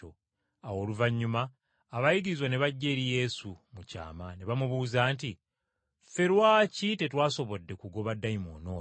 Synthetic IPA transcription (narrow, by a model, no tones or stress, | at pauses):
o | awo̞ːluvaɲːumaː | βajiɡiɾizwaneβaɟːe̞ːɾije̞ːsumuca̰ːmaneβamuβuːzaːnti | fe̞ɾwaːcite̞twaːso̞βo̞dːe̞kuɡo̞βadːajimo̰ːnoː